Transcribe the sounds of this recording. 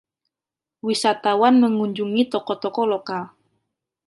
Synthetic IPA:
wisat̪awanməŋuɲd͡ʒuŋit̪ɔkɔt̪ɔkɔlokal

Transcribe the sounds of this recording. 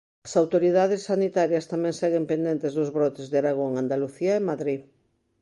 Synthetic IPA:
ɐsawt̪oɾiðaðɪsːanit̪aɾjɐst̪amɛ̃ŋsɛɣempend̪ent̪ezðʊzβɾɔt̪ezðeaɾaɣ̞oŋand̪aluθiaemaðɾi

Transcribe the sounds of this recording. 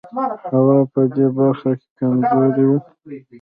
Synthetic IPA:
hawɑpəd̪ebaɾxakekamzoɾwi

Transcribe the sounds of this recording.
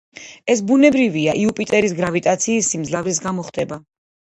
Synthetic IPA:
ɛs̬bunɛbɾiviaʔiupʼit̪ʼɛɾisɡɾavit̪ʼat̪sʰiːsːimd̪zlavɾis̬ɡamɔχd̪ɛba

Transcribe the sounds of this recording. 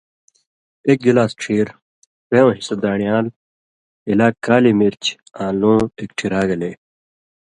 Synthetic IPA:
ek̚ɡilaːsʈ͡ʂʰiːɾ | peːõːɦisɐd̪aːɳijaːl | ilaːkːaːlimiɾt͡ɕ | ãːlõːek̚ʈʰiɾaːɡɐleː

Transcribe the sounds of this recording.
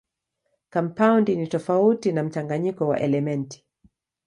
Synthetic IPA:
kɔmpaundinitɔfautinam̩t͡ʃaŋɡaɲikɔwa̰ʔɛlɛmɛnti̥

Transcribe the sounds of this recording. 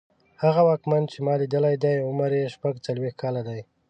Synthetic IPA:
haɣawɑkmant͡ʃemɑlid̪əlajd̪ajʊmaɾeʃpaɡt͡salwext̪̚kʰɑlad̪aj

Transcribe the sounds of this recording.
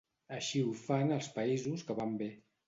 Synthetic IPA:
əʃiufanəlˠspəizuskəβambe

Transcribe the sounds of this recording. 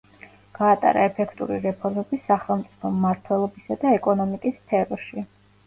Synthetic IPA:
ɡ̥aːt̪ʼa̰ɾa̰ɛpʰɛkʰt̪ʼṵɾiɾɛpʰɔɾmɛbisaχɛlˠmt̪sʼi̥pʰɔmːaɾt̪ʰwɛlˠɔbisad̪aɛkʼɔnɔmikʼisp̪ʰɛɾɾʃi

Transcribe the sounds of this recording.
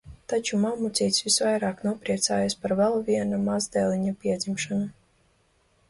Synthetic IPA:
t̪at͡ʃumamut̪sʲijt̪ʲsvisvajɾaːknuɔpɾiɛt̪sa̰ːjaspaɾvɛlˠvʲiɛnamazd̪ɛːlʲˠiɲapʲiɛd̪zʲimʃanu

